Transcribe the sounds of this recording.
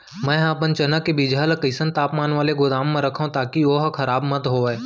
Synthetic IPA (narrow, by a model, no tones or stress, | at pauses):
mɛ̃ːapənt͡ʃɐnəkːebid͡ʒaːlkəɪsə̃nt̪aːpmaːnʋaːleɡʊd̪aːmːẽɾɐkʰaũt̪aːkioɦkʰɐɾaːbmət̪ɦoːɛː